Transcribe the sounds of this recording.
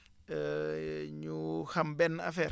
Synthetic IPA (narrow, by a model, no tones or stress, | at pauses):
ɲuhambɛna̰fɛ